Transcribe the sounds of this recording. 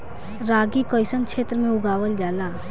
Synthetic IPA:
ɾaːɡikəɪsənkʰt͡ʃʰʃʰeːt̪ɾəmẽʊɡaːʋəld͡ʒaːlaː

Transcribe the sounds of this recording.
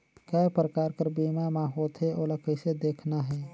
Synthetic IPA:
kapɾəkaːɾkəɾbiːmamãːɦoːt̪ɦɛʔoːləkəsed̪eːkʰnaɦɛː

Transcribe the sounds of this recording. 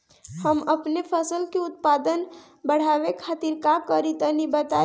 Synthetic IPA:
həməpnepʰəsəlkeʊt̪̚pad̪ən | bəɽ̤abekʰat̪iɾkakəɾit̪ənibət̪a

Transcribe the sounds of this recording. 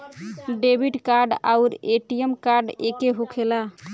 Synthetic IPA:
ɖebʱiʈkaɾɖa̰ʊɾeʈiemkaɾɖekeɦukʰela

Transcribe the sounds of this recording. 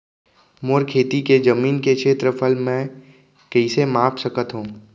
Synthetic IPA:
moːɾkʰeːt̪iked͡ʒɐmiːnkekʃʰeːt̪ɾəpʰəlmɛ̃ | kɐisemaːpsəkət̪ɦũː

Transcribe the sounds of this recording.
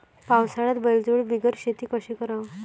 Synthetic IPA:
pawsaɭat̪bəld͡zoɭbiɡəɾɕet̪iːkəɕekəɾaʋ

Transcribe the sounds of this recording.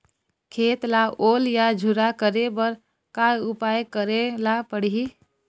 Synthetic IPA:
kʰet̪laoljad͡ʒʱuɾakəɾebəɾ | kajupajkəɾelapəɽ̤i

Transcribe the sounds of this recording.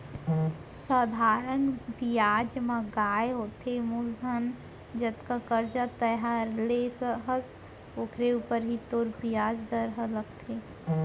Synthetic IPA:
saːd̪ʱaːɾənbijaːd͡ʒmãɡaːeɦoːt̪ʰemuld̪ʱən | d͡ʒət̪kakəɾd͡ʒat̪əɦaɾlesəɦəs | oːkʰɾeuːpəɾɦit̪oːɾbijaːd͡ʒd̪əɾɦələɡt̪ʰe

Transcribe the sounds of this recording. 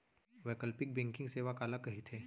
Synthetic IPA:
ʋɛːkəlpɪk̚bɛ̃ŋkɪ̃ŋɡseːʋakaːlakɐɦit̪ʰeː

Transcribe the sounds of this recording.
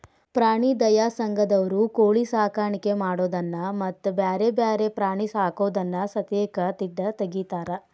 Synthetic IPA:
pɾaːɳid̪ɐjaːsɐŋɡɐd̪ɐʋɐɾukoːɭisaːkaːɾɳikemaːɽoːd̪ɐnːɐmɐt̪ːbjaːɾebjaːɾepɾaːɳisaːkoːd̪ɐnːɐsɐt̪eːkɐt̪id̪ːɐt̪ɐɡit̪aːɾɐ

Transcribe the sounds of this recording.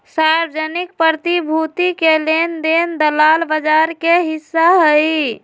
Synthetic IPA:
saɾbəd͡ʒənikpəɾt̪ibʱut̪ikelend̪end̪əlalbəd͡ʒaɾkeɦisːaɦəj

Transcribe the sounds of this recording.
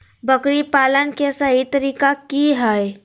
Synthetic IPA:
bəkɾipaːlənkesəɦit̪əɾiːkakiɦɛj

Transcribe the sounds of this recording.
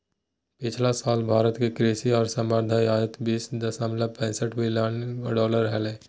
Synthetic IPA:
pɪt͡ʃʰlasaːlbʱaːɾət̪kekɾeːsiɔːɾsəməɾd̪ʱajaːd̪ət̪biːsd̪əsəmlapɛ̃ːsəʈʰmɪljənɖɔːləɾɦɛle

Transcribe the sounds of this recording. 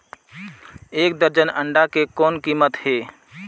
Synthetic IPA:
eːk̚d̪əɾd͡ʒənə̃ɳɖakekɔːnkiːmət̪heː

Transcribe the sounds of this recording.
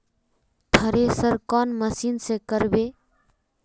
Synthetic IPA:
t̪ʰəɾesəɾkɔnməsinsẽkəɾbe

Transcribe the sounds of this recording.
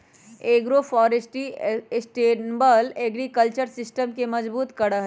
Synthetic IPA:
eːɡɾofɔːɾesʈisʈeːbəleːɡɾikəlt͡ʃəɾsɪsʈəmkemɐzbuːt̪kɐɽaɦɛ

